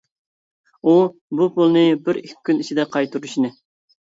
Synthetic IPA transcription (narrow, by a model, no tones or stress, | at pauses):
ubupʰolˠnɨbɪɾikʲkʲːynit͡ʃʰid̪ɛqʰɑjt̪ʰuɾuʃinɨ